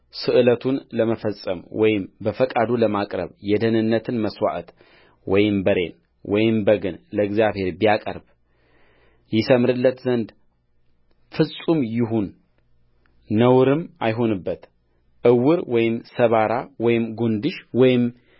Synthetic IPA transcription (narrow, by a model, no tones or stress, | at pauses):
sɨʔɨlət̪ʰunləməfəsʼə̰mwɔjɪmbəfəkʼad̪uləmakʼɾə̰βjɛd̪ənɨnːət̪ʰɨnməswa̰ʔət̪ | wɔjɪmbəɾe̞̰n | wʔɔjɪmbəɡɨnləɨɡzijaβhe̞ɾbijakʼə̰ɾb | jɪsəmɾɨlːət̪zənd̪ | fɨsʼumjɪɦun | əwɾɨmajɦo̞nɨbːət̪ | ʔɨwɨɾwɔjɪmsəβaɾawɔjɪmɡond̪ɨʃwɔjɪm